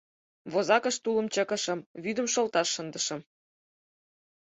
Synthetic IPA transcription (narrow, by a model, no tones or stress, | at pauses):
βozɑkəʃt̪ulə̆mt͡ɕə̆kə̆ʃɤ̆mβyd̪ə̆mʃolt̪ɑʃːənd̪əʃə̆m